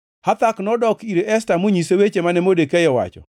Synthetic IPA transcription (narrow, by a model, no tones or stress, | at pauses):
hat̪aknɔdɔkiɾeɛstamoɲisewet͡ʃemanɛmodekɛjɔwa̰t͡ʃɔ̰